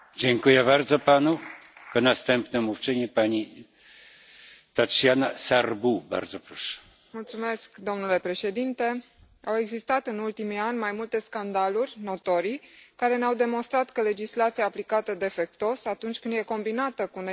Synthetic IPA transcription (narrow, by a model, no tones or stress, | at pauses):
d͡ʑeŋkujɛbaɾd̪zɔpanukɔnast̪ɛmpnɛmuft͡ʂɘɲipaɲi | t̪at͡ʂjanasarbuba̰ɾd̪zɔpɾɔʂɛ̥ | mult̪sume̞skd̪o̞mnule̞pɾe̞ʃe̞d̪int̪e̞ | awe̞ɡzist̪at̪ɨnult̪imianʲmajmult̪e̞skand̪alurʲno̞t̪o̞ɾijkaɾe̞neawd̪e̞mo̞nst̪ɾat̪kəle̞d͡ʒislat̪siaːplikat̪əd̪e̞fe̞k̚t̪o̞sat̪unt͡ʃʲkɨnd̪je̞ko̞mbinat̪əkune